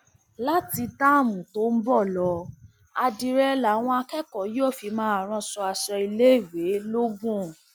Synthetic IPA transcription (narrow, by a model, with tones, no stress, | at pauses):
la˦ti˧da˦˨mũ˨to˨˦n̩˦bɔ˦˨lɔ˨˧ | a˧di˨˧ɾɛ˧la˨˦w̃ɔ̃˧a˧kɛ˦kɔ˨˦jɔ˦˨fi˧mãː˦a˨ɾ̃ɔ̃˧sɔ˧a˧ʃɛ˧i˧le˦i˦˨we˨˦lo˦ɡũ˦˨